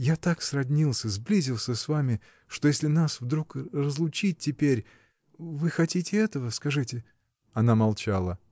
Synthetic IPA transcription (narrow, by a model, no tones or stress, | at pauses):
jat̪aksrɐvnʲilˠsʲəzblʲizʲɪlˠsʲəsvamʲɪ | ʂt̪ojesʲlʲɪnasvd̪ɾukrəzlˠʊt͡ɕit̚ʲtʲːɪpʲeɾʲ | vɨxɐtʲitʲɪɛt̪əvəskɐʐɨtʲɪ | ɐnamɐlˠt͡ɕalˠə